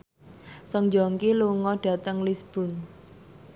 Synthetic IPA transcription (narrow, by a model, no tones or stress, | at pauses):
sɔŋd͡ʒɔŋkiluŋɔɖ̥ä̤t̪əŋlisb̥ṳn